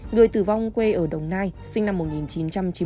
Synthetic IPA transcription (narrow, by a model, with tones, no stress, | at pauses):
ŋɨ˨˩əjt̪ɨ˧˩va˧wŋ͡mkwe˧ʔəː˧˩ɗə˨˩wŋ͡mnaː˧jsï˧ŋna˧mːo˨˩t̚ŋi˨˩nt͡ɕi˨˦nt͡ɕa˧mt͡ɕi˨˦